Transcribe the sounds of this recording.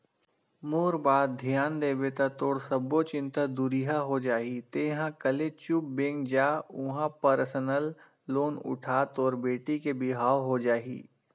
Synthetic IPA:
moːɾbaːd̪̚d̪ʱjaːnd̪eːbet̪at̪oːɽsɐbːot͡ʃɪ̃nt̪ad̪ʊɾiɦaɦod͡ʒaːɦit̪eːɦãkəlet͡ʃʊp̚bẽːŋɡd͡ʒaːʊɦãpəɾsənəlː | oːnʊ̰ʈʰaːt̪ɔːɾbeːʈikebɪɦaːoɦod͡ʒaːɦḭː

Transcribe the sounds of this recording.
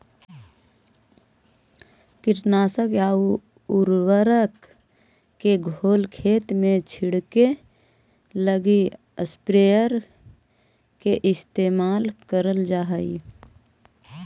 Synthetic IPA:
kɪʈnaːsəkjaːu | uɾwəɾəkː | eɡʱoːlkʰeːt̪mẽt͡ʃʰɪɽke | ləɡi | əspɾeːəɾ | keʔɪst̪eːmaːlkəɾəld͡ʒaːɦəḭ

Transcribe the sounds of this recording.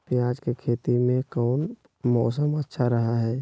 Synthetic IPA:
pjaːd͡ʒkekʰeːt̪imẽkɔːn | mɔːsəmətːʃʰaɾəɦaɦɛː

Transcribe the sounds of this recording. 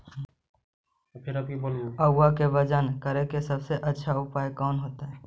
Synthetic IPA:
pʰɪɾaːp̚kiboːloəɡːakebəd͡ʒənkəɾekesəbseʔɐtːʃʰaʊpaːjkɔːnɦoːt̪aɦɛː

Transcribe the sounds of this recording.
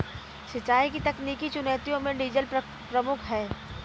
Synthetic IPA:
ʃɪt͡ʃːaːikit̪ɐkniːkit͡ʃʊneːt̪ijõmẽɖiːd͡ʒəl | pɾɐmʊkʰɦɛː

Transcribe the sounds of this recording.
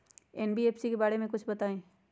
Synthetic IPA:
ɛːnbieːpsikebaːɽemẽkʊt͡ʃʰbɐt̪aːẽː

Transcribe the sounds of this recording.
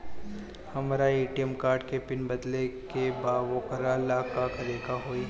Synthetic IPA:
hɐmːɾaeːʈijəmkaːɾɖkepɪnbɐd̪lekebaːʋõːkəɾalaːkakɐɾeːɡaɦoːi

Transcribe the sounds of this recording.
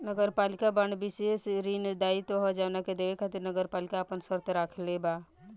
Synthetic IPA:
nəɡəɾpaːlɪkabəɳbɪsesɾind̪aːit̪oɦɔd͡ʒɐʋnaked̪eʋekʰat̪iɾnəɡəɾpaːlɪkaːpənsəɾt̪ɾaːkʰlebaː

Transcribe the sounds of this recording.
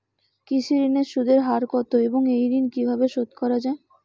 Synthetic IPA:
kisiɾineɾʃud̪ʱeɾɦaɾkɔt̪oeboŋejd̪inkibʱabeʃod̪kɔɾad͡ʑae

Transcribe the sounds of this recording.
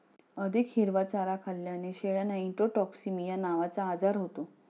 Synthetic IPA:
əd̪ʱikhiɾʋat͡saɾakʰalːjaneɕeɭjanaiɳʈoʈɔksimijanaʋat͡saːd͡zaɾɦot̪o

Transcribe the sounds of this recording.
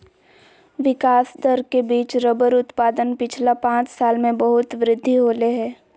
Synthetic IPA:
ʋɪkaːsd̪əɾkebiːt͡ʃɾəbəɾʊt̪paːd̪ənpɪt͡ʃʰlapãːt͡ʃsaːlmẽbəɦʊt̪ʋɾɪd̪ʱːiɦoːleɦɛː

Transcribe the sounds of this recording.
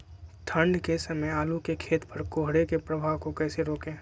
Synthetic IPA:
t̪ʰə̃ɳɖkesɐməjaːlukekʰeːt̪pɐɾkoːɦɽekepɾəbʱaːʋkokɛːseɾoːkẽː

